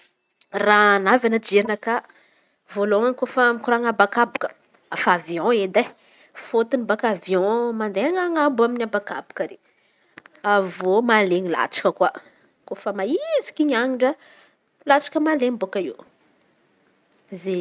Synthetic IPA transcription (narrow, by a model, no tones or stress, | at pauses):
ranavanəd͡ʒeɾinəka | voloŋaŋkofəmikuɾaŋabakabukə̥ | afaviɔ̃ed̪a | fot̪inibakavjɔ̃mand̪eaŋaŋambuaminʲabaka̰bu̥kəɾe | avomaleɲila̰t͡ʃḁkəkwa | kofəmaizi̥kiɲaɲiɳɖ͡ʐə | lat͡ʃḁkəmalembokaiw | ze